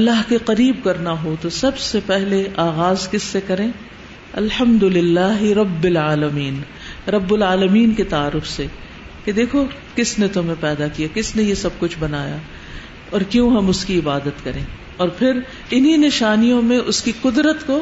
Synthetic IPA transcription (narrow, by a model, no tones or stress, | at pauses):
ɐlːaɦkeqɐɾiːbkɐɾnaɦot̪osɐbsepɛɦleʔaːɣaːzkɪsːekɐɾẽː | ɐ̰lħɐmd̪ʊlɪlːaːɦɾɐbːɪlaːlɐmiːn | ɾɐbːʊlaːlɐmiːnket̪aːɾʊfse | ked̪eːkʰo | kɪsnet̪ʊmẽpɛːd̪akijakɪsnejesɐb̚kʊt͡ʃʰbɐnaːja̰ː | ɔːɾkjõɦɐmʊskiɪbaːd̪ət̪kɐɾẽː | ɔːɾpʰɪɾ | ɪninɪʃaːnijõmẽʔʊskiqʊd̪ɾət̪ko